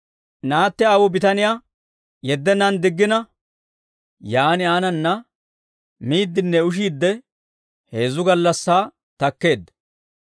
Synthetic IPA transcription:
naːt̪ːɛɐwʊbɪt̪ɐnɪjaː | jɛd̪ːɛnɐnd̪ɪɡːɪnɐ | jaːnɪaːnɐnːɐ | miːd̪ːɪnːɛʊʃ̬iːd̪ːɛ | he̞ːzʊɡɐlːɐsːaː | t̪ɐkːe̞ːd̪ː

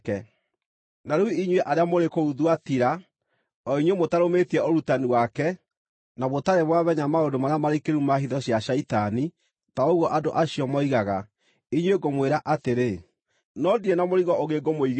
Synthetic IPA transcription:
kɛ | naɾuiɲweʔaɾeamoɾekouðwatiɾa | ɔiɲwemotaɾometiɛoɾutaniwakɛ | naβotaɾeβwaβɛɲamaodomaɾeamaɾekeɾumaɦiðɔɕjaɕaitani | taoɣɔʔadoʔaɕiɔmɔiɣaɣa | iɲweɡomweɾaʔateɾe | nɔdienamoɾiɣɔʔoɣeɡomoiɣ

